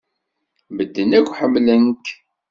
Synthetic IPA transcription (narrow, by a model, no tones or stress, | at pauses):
məd̪ːənækʷːħəmːlənk